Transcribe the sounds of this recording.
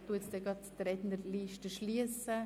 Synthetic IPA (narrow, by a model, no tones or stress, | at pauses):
t̪uətsd̥̪ɛɡɑt̪tɾɛd̪nəliʃtəʃliəsə